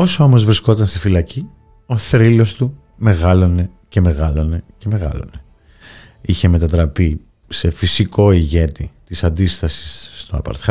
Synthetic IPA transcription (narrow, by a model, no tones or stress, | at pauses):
o̞soo̞mo̞zvɾisko̞t̪ɐnst̪ifilɐci | o̞θɾilo̞st̪u | me̞ɣɐlo̞ne̞ | ce̞me̞ɣɐlo̞ne̞ce̞me̞ɣɐ̰lo̞̰ne | içe̞me̞t̪ɐt̪ɾɐpi | se̞fisiko̞iʝe̞t̪it̪isɐnd̪ist̪ɐsi̥sːt̪oɐ̰pɐ̰ɾt̪xɐ